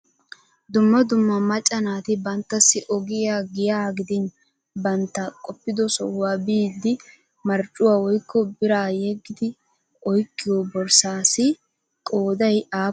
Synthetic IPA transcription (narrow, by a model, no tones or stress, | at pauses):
d̪ʊmːɐd̪ʊmːɐmɐt͡ʃʼːɐnaːt̪ɪbɐnt̪ːɐsːɪʔɔɡɪjaːɡɪjaːɡɪd̪ɪn | bɐnt̪ːɐkʼɔpːɪd̪ɔsɔwaːbiːd̪ːɪ | mɐɾt͡ʃʼːʊwaːwɔjkːɔbɪɾaːjɛɡɪd̪ɪ | ɔjkːɪjɔbɔɾsaːsɪ | kʼoːd̪ɐjaː